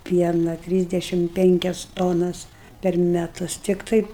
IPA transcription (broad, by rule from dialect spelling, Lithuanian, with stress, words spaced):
ˈpʲiɛnɐ ˈtʲrʲiːzʲdʲɛʃʲɪm ˈpʲɛŋʲkʲɛs toːnɐs pʲɛr mʲɛˈtʊs ˈtʲɪktɐɪ